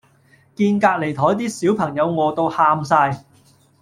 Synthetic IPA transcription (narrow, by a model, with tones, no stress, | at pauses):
kiː˧nkaː˧k̚le˨˩jt̪ʰɔː˨˥jt̪iː˥siː˨˥wpʰɐ˨˩ŋjɐ˨˧wŋɔː˨˧t̪o˧whaː˧msaː˧j